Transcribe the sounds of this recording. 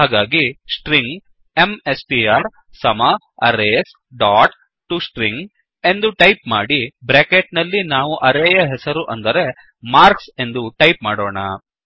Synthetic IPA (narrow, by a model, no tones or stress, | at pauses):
ɦaːɡaːɡisʈɾiŋɡ | emesʈiaːɾ | sɐmɐ | ɐ̰ɾeːs | ɖaːʈ | ʈusʈɾiŋɡ | e̞nd̪uʈɐjpmaːɽibɾeːkeʈnɐlːinaːʋuʔɐɾɛjɐɦɛsɐɾuʔɐnd̪ɐɾe̞ | maːɾkse̞nd̪uʈɐjpmaːɽoːɳɐ